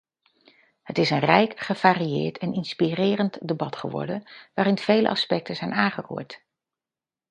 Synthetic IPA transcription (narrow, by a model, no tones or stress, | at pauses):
hətɪsənrɛjkχəv̥aːriɪ̰ːɹtʰɛnɪnspirɪːrəntdebɑtχəʋɔ̰ɹdənʋaːɾɪnv̥ejlə̰ʔɑ̰spɛk̚təzɛjnaːŋχərṵːɹt